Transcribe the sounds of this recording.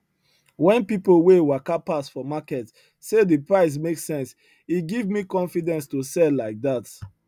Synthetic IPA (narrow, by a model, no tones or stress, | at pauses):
wɛ̃npipowewakapasfɔmakɛt | sedəpɹaɪs̬meksɛ̃ns | iɡivmikɔ̃nfidɛ̃nstosɛlːaɪk̚dat